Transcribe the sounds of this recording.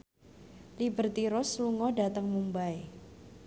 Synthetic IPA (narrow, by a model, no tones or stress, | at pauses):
libərt̪iɾʊsluŋɔdat̪əŋmumbaj